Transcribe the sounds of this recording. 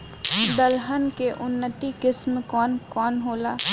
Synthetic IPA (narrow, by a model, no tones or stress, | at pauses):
d̪əlɦənkeʔʊnːət̪ikɪsmkɔːnkɔːnɦoːlaː